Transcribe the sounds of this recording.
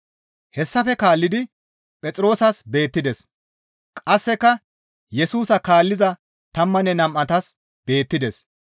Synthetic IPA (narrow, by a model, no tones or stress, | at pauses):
hɛsːɐfɛkaːlːɪd̪ɪ | pʼɛt͡sʼɾo̞ːsɐsbe̞ːt̪ːɪd̪ɛs | kʼɐsːɛkːɐ | jɛsuːsɐkaːlːɪzɐ | t̪ɐmːɐnɛnɐmʔɐt̪ɐs | b̥e̞ːt̪ːɪd̪ɛs